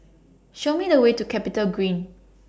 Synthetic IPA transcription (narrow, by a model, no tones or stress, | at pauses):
ʃomidəwetukʰɛpitəlɡɹĩn